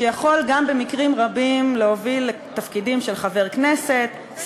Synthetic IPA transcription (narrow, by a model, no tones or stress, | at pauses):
ejaχo̞lɡambe̞mikʁimʁabimleovilːet̪afkidimʃe̞lχave̞ʁkne̞se̞t̪